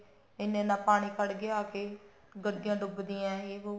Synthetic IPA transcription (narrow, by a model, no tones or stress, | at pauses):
ɪnːẽːnãːpaːɽ̃iːkʰəɽɡɪaːkeː | ɡəɽɪjãːɖʊbd̪iːãːɦeːoː